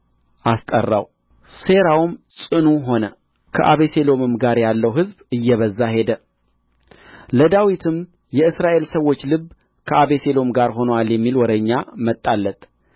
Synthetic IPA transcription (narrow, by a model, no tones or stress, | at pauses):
ʔast̪ʼə̰rːa̰w | se̞ɾawmsʼɨnuɦo̞nə | kʰə̰ʔaβe̞se̞lo̞mɨmɡaɾjalːəwɦɨzbɨjːɛβəzːahe̞d̪ə | ləd̪awit̪ʰɨm | jɛɨsɾaʔe̞lsəwːo̞t͡ʃːlɨb | kʰəʔaβe̞se̞lo̞mɡaɾɦo̞nəwaljɛmːilwɔd̪əɲːamət̪ʼːalːət̪